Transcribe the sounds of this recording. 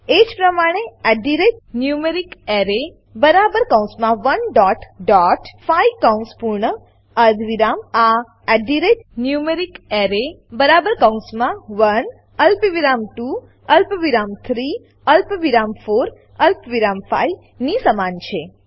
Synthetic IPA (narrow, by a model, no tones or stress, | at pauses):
ed͡ʒpɾəmaɽ̃eɛɖiɾeʈ̚njumeɾikeɾe | bəɾabəɾkə̃w̃smãʋənɖɔʈɖɔʈfaikə̃w̃nspuɾɳə | əd̪ʋiɾama | ɛɖiɾeʈ̚njumeɾikeɾe | bəɾabəɾkəw̃smãʋən | əlpʋiɾamʈu | əlpʋiɾamt̪ʰɾi | əlpʋiɾamfoɾ | əlpʋiɾamfa̰i | nisəmant͡ʃʰe